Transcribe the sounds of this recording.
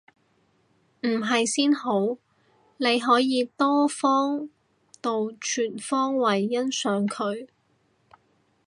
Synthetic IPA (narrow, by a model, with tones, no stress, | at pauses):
m̩˨˩ɦɐ˨jsiː˥nho˨˥w | ne˨˧jɦɔː˨˥jiː˨˧t̪ɔː˥fɔː˥ŋ | t̪o˨wt͡ʃʰyː˨˩nfɔː˥ŋwɐ˨˩jːɐ˥nsœː˨˥ŋkʰɵ˨˧ɥ